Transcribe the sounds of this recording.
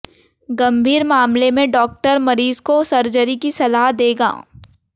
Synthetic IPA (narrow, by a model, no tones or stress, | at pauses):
ɡɐ̃mbʱiːɾmaːmlemẽɖɔːk̚ʈəɾmɐɾiːzkosɐɾd͡ʒəɾikisɐlaːɦd̪eːɡa̰ː